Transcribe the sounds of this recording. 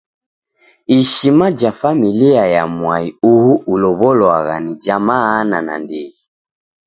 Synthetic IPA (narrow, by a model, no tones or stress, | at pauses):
iʃimad͡ʒafamiliajamwaiuhuulɔβɔlɔaɣa̰nid͡ʒamaːnana̰ndiɣi